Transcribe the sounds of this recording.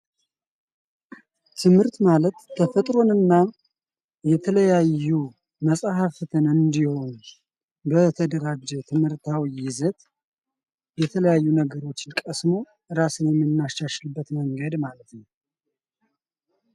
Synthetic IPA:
t̪ʰɨmhɨɾt̪malət̪ːʰəfət̪ʼɾo̞nɨnːa | jɛt̪ʰələjajːu | məsʼhaft̪ʰɨnɨnd̪iho̞n | bət̪ʰəd̪əɾad͡ʒːɛt̪ʰɨmhɨɾt̪ʰawijɪzət̪ | jɛt̪ʰələjajːunəɡəɾo̞t͡ʃːɪnkʼəsmo̞ | ɨɾasɨnjɛmːɨnːaʃaʃɨlbːət̪məŋɡəd̪malət̪nəw

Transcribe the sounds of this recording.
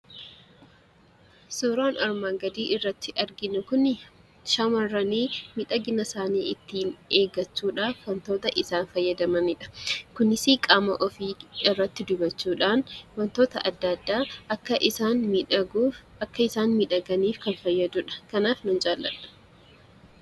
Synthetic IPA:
soːɾaːnʔɐɾmaːŋɡɐd̪iːʔɪrːɐt̪ːɪʔɐɾɡɪnʊkʊnɪ | ʃɐmɐrːɐniːmɪᶑɐɡɪnɐsaːnḭːɪt̪ːiːne̞ːɡɐt͡ʃːuːᶑaːfwɐnt̪o̞ːt̪ɐʔɪsaːnfɐjːɐd̪ɐmɐmɪᶑɐ̥kʊnɪsikʼaːmɐʔɔfiːɪrːɐt̪ːɪd̪ʊbɐt͡ʃːuːᶑaːnwɐnt̪o̞ːt̪ɐʔɐd̪ːɐd̪ːaːʔɐkːɐʔɪsaːnmɪᶑɐɡuːf | ɐkːɐɪsaːnmɪᶑɐɡɐniːfkɐnfɐjːɐd̪ʊᶑɐ̥kɐnaːfnʊnd͡ʒʼaːlːɐ̰ᶑɐ̥

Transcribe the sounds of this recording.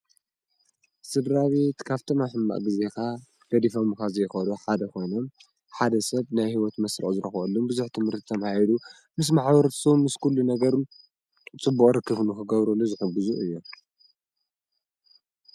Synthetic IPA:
sɨd̪ɾaβet̪kʰaβt̪ʰomaħɨmːa̰ʔɡɨze̞kʰa | ɡ̥ɐd̪ifomkazɐjxɐluħad̪ɐkʰo̞jnom | ħad̪ɐsɐβnajhiwɔt̪mɐsɾɐ̰ʔʼuzɨɾɐxʔɐlːumbɨzuħt̪ʰɨmhɨɾt̪ʰi̥t̪ʰɐmahilu | mɨs̬maħbɐɾt̪ʰsɐβumːɨskʰulːunɐɡɐɾun | t͡sʼɨbːuqʼɾɨkːɨβnukʰɨɡɐβɾɐlːozɨħɨɡɨzuʔɨjːu

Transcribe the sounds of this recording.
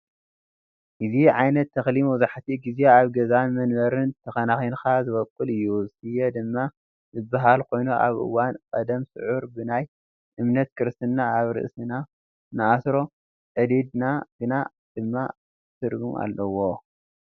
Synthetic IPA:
ʔɨziʕajnɐt̪ʰːɐxlimwzaħt̪ʰiɡizeaβɡɐzanmɐnmɐɾɨnt̪ʰɐxɐnaxinkazɨβɐkʼːɨlɨjːuzsʰɨjed̪ɨmːa | zɨbaɦalkʰo̞jnuʔa̰βʔɨ̰wankʼɐd̪ɐmsɨʕuɾbɨnaj | ʔɨmnɐt̪kʰɨɾɨst̪ʰɨnːaaβɾɨ̰ʔsɨna | nɨʔasɾo̞ | ʔɨd̪id̪naɡ̥ɨna | d̪̥ɨmːa̰ | t̪ʰɨɾɡumʔa̰lːɐwo̞

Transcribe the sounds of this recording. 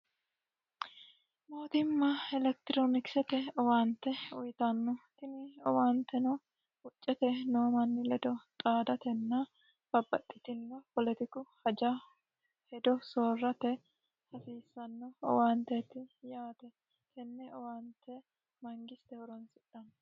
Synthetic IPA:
mo̞ːt̪ɪmːɐɛlɛk̚t̪ɪɾoːnɪksɛt̪ɛɔwaːnt̪ːɛʊjt̪ɐnːɔt̪ɪnɪɔ̰waːnt̪ːɛnɔ | hʊt͡ʃʼːɛt̪ɛnoːmɐnːɪlɛd̪ɔt̪ʼaːd̪ɐt̪ɛnːɐ | b̥ɐbːɐt̪ʼːɪt̪ɪnːɔpɔlɛt̪ɪkʊhɐd͡ʒɐ | hɛd̪ɔsoːrːɐt̪ɛ | hɐsiːsːɐnːɔɔ̰waːnt̪ɛt̪ɪjaːt̪ɛ | k̪ɛnːɛɔwaːnt̪ːɛ | mɐŋɡɪst̪ɛhɔɾɔnsɪᶑːɐnː

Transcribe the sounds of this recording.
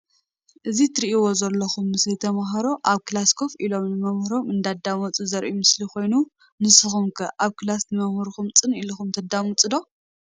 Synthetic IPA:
ʔɨzit̪ʰɨɾiʔiwo̞zɐlːɐxumːɨsɐjt̪ʰɐmɐɦɐɾo̞ʔaβkʰɨlaskʰo̞filo̞mnɨmɐmhɾo̞mɨnd̪ad̪amut͡sʼɨzɐɾʔumɨsliko̞jnu | nɨsɨxumkʰɐʔaβkɨlasnɨmɐmhɐɾxumt͡sʼɨniluxumt̪ʰɐd̪amut͡sʼɨd̪o̞

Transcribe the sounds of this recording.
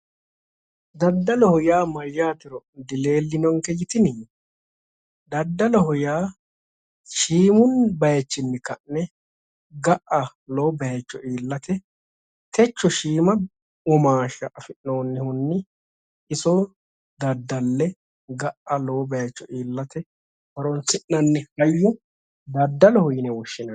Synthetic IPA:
d̪ɐd̪ːɐlɔhʊjaːmɐjːaːt̪ɪɾɔd̪ɪle̞ːlːɪnɔŋkɛjɪt̪ɪniː | d̪ɐd̪ːɐlɔhʊjaː | ʃiːmʊnbɐjɐt͡ʃːɪnːɪkɐʔnɛ | ɡɐʔɐ | loːbɐjɛt͡ʃːɔʔiːlːɐt̪ɛ | t̪ʰɛt͡ʃːɔʃiːmɐ | ɔmaːʃɐ̰ʔɐfɪʔnoːnːɪhʊnːɪ | ʔɪsɔ | d̪ɐd̪ːɐlːɛ | ɡɐʔɐloːbɐjɐt͡ʃːɔʔiːlːɐt̪ɛ | wɐɾɔnsɪʔnɐnːɪhɐjːɪ | d̪ɐd̪ːɐlɔhʊjɪnɛwɔʃːɪnɐ

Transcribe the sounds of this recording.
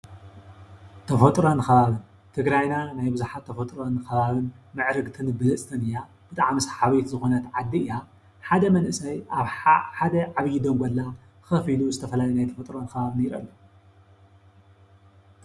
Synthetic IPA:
t̪ʰɐfɐt̪ʼɾonxɐβaβɨn | t̪ʰɨɡɾajnanajbɨzuħat̪ʰːɐfot̪ʼɾonxɐβaβɨnmɨʕɾɨɡt̪ʰɨnɨbɨlɐt͡sʼt̪ʰɐnɨja | b̥ɨt̪ʼaʕmisħaβet̪zɨxo̞nɐt̪ʕad̪ːiɨja | ħad̪ɐmɐnʔɨsɐjʔaβħħad̪ɐʕaβjid̪omɡʷolːa | xɐfiluzɨt̪ʰɐfɐlajinajt̪ʰɐfot̪ʼɾonxɐβaβɨniɾɐ̰lːɐ

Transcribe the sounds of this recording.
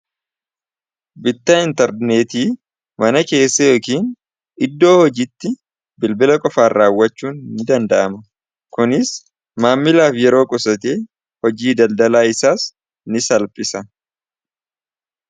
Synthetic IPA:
bɪt̪ːɐɪnt̪ɛɾneːt̪iː | mɐnɐke̞ːsːɐjo̞ːkiːn | ʔɪd̪ːo̞ːhɔd͡ʒit̪ːɪ | bɪlbɪlɐkʼɔfaːraːwːɐt͡ʃːuːnːɪd̪ɐnd̪ɐʔɐmɐ | kʊnɪs | maːmːɪlaːfjɛɾo̞ːkʼɔsɐt̪eː | hɔd͡ʒiːd̪ɐld̪ɐlaːɪsaːs | nɪsɐlpʼɪsɐ

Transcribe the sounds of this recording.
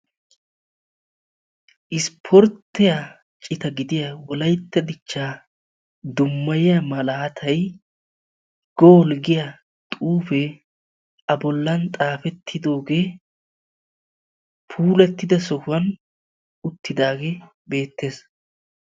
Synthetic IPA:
ʔɪspʰɔɾt̪ːɪja | t͡ʃʼɪt̪ɐɡɪd̪ɪjɐwɔlɐjt̪ːɛd̪ɪt͡ʃːaː | d̪ʊmːɐjɪjɐmɐlaːt̪ʰɐj | ɡ̥oːlɡɪjɐ | t̪ʼuːfɛ | ʔɐbɔlːɐnt̪ʼaːfɛt̪ʰːɪd̪o̞ːɡe̞ː | pʰuːlɛt̪ːɪd̪ɐsɔkʊɐn | ʊt̪ːɪd̪aːɡe | be̞ːt̪ːe̞ːs

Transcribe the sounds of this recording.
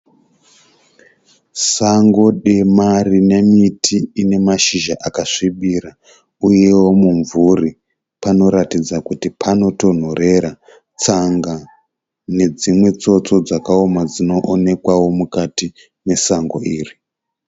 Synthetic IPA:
saŋɡo̞ɗe̞marine̞mitʰiːne̞maʃiʒaʔakaʂiɓiɾa | uje̞wo̞muɱvuri | pano̞ɾatid͡zakutipʰano̞to̞n̤ore̞ɾa | t͡saŋɡa | ne̞d͡zimwe̞t͡so̞t͡so̞d͡zakaomad͡zino̞ʔone̞kwawo̞mukati | ne̞saŋɡo̞̰iːri

